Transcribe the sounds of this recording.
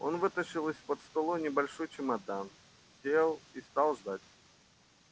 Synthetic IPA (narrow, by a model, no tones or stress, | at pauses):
o̞̰nvɨt̪əɕɪlˠɨsʲpət̪st̪ɐlˠonʲɪbɐlʲʂojt͡ɕɪmɐd̪an | sʲelˠist̪alˠʐd̪at̚ʲ